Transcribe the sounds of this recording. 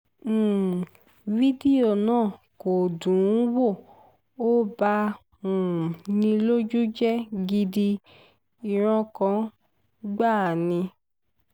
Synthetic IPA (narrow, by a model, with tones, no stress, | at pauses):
vi˦di˦o˦˨nãː˦˨ | ko˨dũ˨˦wo˦˨ | o˦ba˧ | ũ˨nĩ˧lo˦d͡ʒu˦d͡ʒɛ˦ɡi˧di˧ | i˧ɾ̃ɔ̃˧kã˧ | ɡ͡ba˦˨nĩ˧